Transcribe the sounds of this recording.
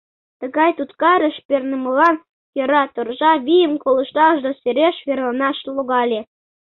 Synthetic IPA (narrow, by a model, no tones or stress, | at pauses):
t̪ə̆ɣɑjt̪ut̪kɑɾə̆ʃpernĕmɤlɑn | jɤ̆ɾɑt̪orʒɑβʲijə̆mkolɤ̆ʃt̪ɑʒd̪oseɾeʃβerlɑnɑʃloɣɑlʲe